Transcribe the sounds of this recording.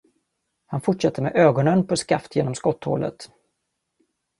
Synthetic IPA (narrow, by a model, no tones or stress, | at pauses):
hanfʊʈʂat̪ːəɾmɛ̰ʔøːɡɔnənpʰɔskaft̪jeːnɔmskɔt̪ːho̰ːlə̰t̪